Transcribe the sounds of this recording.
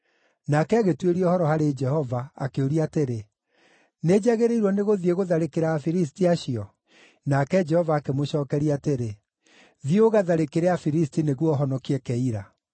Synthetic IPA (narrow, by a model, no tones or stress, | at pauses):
nakɛaɣetweɾiɔhɔɾɔhaɾed͡ʒɛhɔvaːkeoɾiateɾe | ned͡ʑaɣeɾeiɾwɔneɣoðieɣoðaɾekeɾaːfiɾis̬tiaɕiɔ | nakɛd͡ʒɛhɔvaːkemoɕɔːkɛɾiateɾe | ðioɣaðaɾekeɾeafiɾis̬tineɣwɔɦɔnɔkiɛkɛiɾa